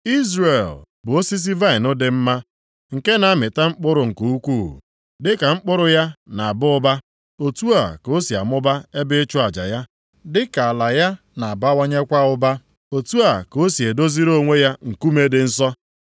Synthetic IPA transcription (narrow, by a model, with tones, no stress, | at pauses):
i˦zre˨l | bʊ˨o˦si˦s̬i˦va˦ɪ˨nʊ˦dɪ˦m̩˦ma˦ | ŋ̩˨ke˦na˨˦mɪ˨ta˦ŋ͡m̩˦k͡pʊ˦ɾʊ˨ŋ̩˨ko˨˦u˦kʷuː˦˨ | dɪ˦ka˨ŋ͡m̩˦k͡pʊ˦ɾʊ˦ja˦na˨a˨bʊ˦ʊ˦ba˦ | o˨tu˦a˨ko˦si˨a̰˨mʊ˦ba˦e˦bɪ˦t͡ʃʊ˦a˨d͡ʒa̰˨ja˦ | dɪ˦ka˨a˨la˨ja˦ | na˨a˨ba˦wo˦ɲe˦kʷa˦ʊ˦ba˦ | o˨tu˦a˨ko˦si˨e˨do˦zi˦ɾo˦ŋʷe˦ja˦ŋ̩˨ku˦me˦dɪ˨n̩˦s̬ɔ˦